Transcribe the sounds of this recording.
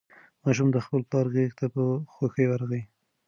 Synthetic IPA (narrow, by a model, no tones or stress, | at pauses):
mɑʃ̬ʊmd̪əxpəlplɑɾɣext̪apəxwaxəjwaɾaɣəi